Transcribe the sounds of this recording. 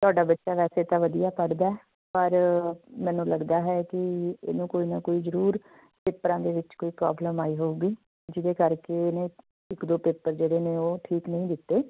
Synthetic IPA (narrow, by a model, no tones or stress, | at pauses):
t̪ʊaːɖaːbətːʃaːʋɛːseːt̪ãːʋəd̪ijaːpəɽd̪aːɛː | pəɾmɛ̃ːnũːləɡd̪aːɦɛːkɪḛːnũːkoːiːnãːkoːiːzəɾuːɾ | peːpɾãːd̪eːʋɪt͡ʃkoːiːpɾa̰ːbləmaːiːɦouːɡiː | d͡ʒɪd̪eːkəɾkenẽː | ɪkd̪oːpeːpəɾd͡ʒeːɽeːneːoːʈʰiːknəɦĩːd̪ɪt̪ːeː